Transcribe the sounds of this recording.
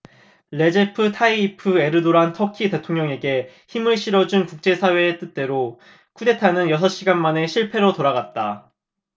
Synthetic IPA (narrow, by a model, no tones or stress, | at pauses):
ɭe̞d͡ʑepʰɯtʰaiːpʰɯe̞ɾɯdoɾantʰʌkʰite̞tʰoŋɲʌŋe̞ɡe̞ | çimɯɭɕ͈ʰiɾʌd͡ʑunkuk̚t͡ɕ͈e̞sʰawe̞ːt͈ɯt̚t͈e̞ɾo | kʰude̞tʰanɯnjʌs̬ʰʌɕ͈iɡanmane̞ɕʰiɭpʰe̞ɾotoɾaɡat̚t͈a